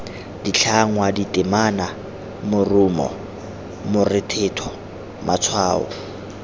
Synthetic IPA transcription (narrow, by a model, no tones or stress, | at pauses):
dit͡ɬʰaŋwaditʼɪmana | mʊrumɔ̰ | mʊrɪtʰɪtʰɔ | mat͡sʰwaːɔ̰